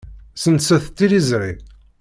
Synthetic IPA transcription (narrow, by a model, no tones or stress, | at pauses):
sənsæθt̪ːiɾizʕi